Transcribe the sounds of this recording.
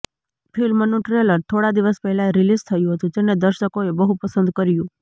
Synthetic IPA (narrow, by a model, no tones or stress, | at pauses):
pʰilmənũʈɾeləɾt̪ʰoɽad̪iʋəspəɦɛlaɾilizt̪ʰəjũɦət̪ũd͡ʒened̪əɾʃəkoebəɦupəsə̃nd̪kəɾjũ